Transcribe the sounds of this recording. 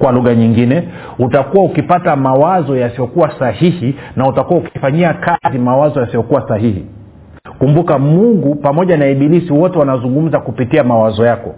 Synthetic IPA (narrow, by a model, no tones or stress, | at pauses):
kwaluɣaɲiŋɡinɛ | utakuwaukipatamawazɔjasiɔkuwasahihinautakuwaukifaɲiakazimawazɔjasijɔkuwasaɦihḭ | kumbukamuŋɡupamɔʄanaiɓilisiwɔtɛwanazuŋɡum̩zakupitiamawazɔjakɔ